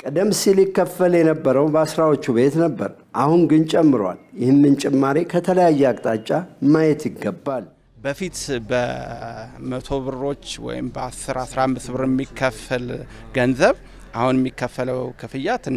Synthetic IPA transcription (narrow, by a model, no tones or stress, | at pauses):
kʼəd̪əmsilɪkːəfəljɛnəbːəɾəwbəasɾawo̞t͡ʃːuβe̞t̪nəbːə̰ɾʔahunɡɨnt͡ʃʼɛmːɨɾwa̰ljɪhɨnmɨnt͡ʃʼɛmːaɾekʰət̪ʰələjajːɛakʼt̪ʼat͡ʃʼːamajɛt̪jɪɡːəbːal | bəfit̪bə | mət̪ʰo̞βɨɾo̞t͡ʃːwɔ̰jɪ̰mbəasɨɾasɾaamːɨsβɨɾjɛmːikʰːəfəl | ɡənzəβ | ʔahunjɛmːikʰːəfːələwkʰɨfɨjːat̪ɨ